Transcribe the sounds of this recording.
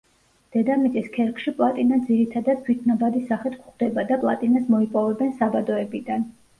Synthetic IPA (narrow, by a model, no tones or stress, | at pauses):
d̪̥ɛd̪amit̪sʼiskʰɛɾkʰʃipʼlˠat̪ʼinad̪ziɾit̪ʰad̪ad̪̥̚t̪ʰwit̪ʰnabad̪isaχɛt̪ʰkχd̪ɛbad̪apʼlˠa̰t̪ʼinasmɔipʼɔvɛbɛnsabad̪ɔɛbid̪an